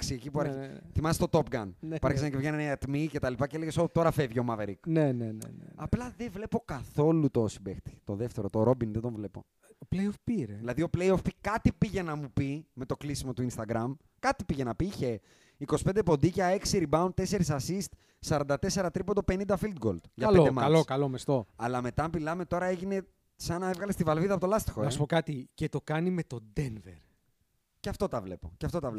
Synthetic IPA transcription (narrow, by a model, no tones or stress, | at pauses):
ksiecipuɐɾçθimɐst̪ot̪o̞pɡɐnpuɐɾçisenɐcevʝeneneɐt̪mice̞t̪ɐlipɐceeleɣesot̪o̞ɾɐfevʝio̞mɐveɾiknenen̰n̰ɐplɐðevle̞po̞kɐθo̞lut̪o̞sibext̪i̥t̪oðeft̪e̞ɾot̪oɾo̞binðed̪oɱvle̞po̞̰ | oplejofpiɾeðilɐðio̞plejofpikɐt̪ipiʝe̞nɐmupime̞t̪o̞klisimo̞t̪uinst̪ɐɡɾɐm | kɐt̪ipiʝe̞nɐpiiçe̞ | iko̞si̥pnd̪epo̞nd̪icɐe̞ksiɾibɐunt̪e̞se̞ɾisɐsist̪ | sɐɾɐnd̪ɐt̪e̞se̞ɾɐt̪ɾipond̪ope̞nind̪ɐfild̪ɡo̞̰ld̪̥ʝɐɐeod̪emɐɐlokɐlomest̪o̞ɐlɐme̞t̪ɐmilɐme̞t̪o̞ɾɐe̞ʝine̞ | sɐnɐevɣɐlest̪ivɐlviðɐpot̪o̞lɐst̪i̥xoɐspokɐt̪icet̪o̞kɐnime̞t̪o̞d̪envḛɾ | cɐft̪o̞t̪ɐvle̞̰po̞̰cɐft̪o̞t̪ɐvle